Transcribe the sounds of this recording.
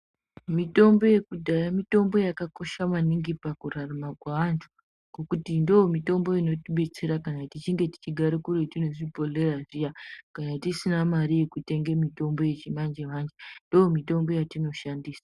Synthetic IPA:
mito̞mbo̞je̞kudʱajamito̞mbo̞jakako̞ʃamaniŋɡipakuraramakwaʋantʰu̥ | ɡ̥okutindoomito̞mbo̞ino̞tiɓe̞t͡se̞ɾakanatit͡ʃiŋɡe̞ti̥t͡ʃiɡʱaɾekuɾetino̞ʐibʱo̞le̞raʐijakanatisinamaɾije̞kute̞ŋɡe̞mito̞mbo̞je̞t͡ʃimand͡ʒeʋand͡ʒendoːmito̞mbo̞jatino̞ʃandiːsḁ

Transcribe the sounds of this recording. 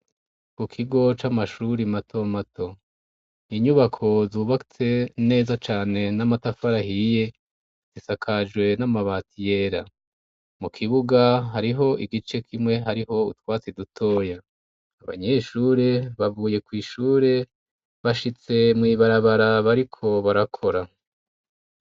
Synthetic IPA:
kukʰiɡo̞t͡ʃamaʃuɾimatʰo̞matʰo̞ | iɲuβakʰo̞zuβaki̥t͡se̞ne̞ːzat͡ʃaːne̞namatafaɾahije̞ | z̥isakʰad͡ʒɡwe̞namaβaːtije̞ːɾa | mukʰiβuɡaɦaɾiɦo̞ʔiɡit͡ʃe̞kʰimŋe̞ɦaɾiɦo̞ṵtwaːt͡sedutʰo̞ːjaː | βa̰ɲe̞ʃuːɾe̞βavuːje̞kwiːʃuːɾe̞ | βaʃit͡se̞mŋiβaɾaβaɾaβaɾikʰo̞βaɾakʰo̞ɾa

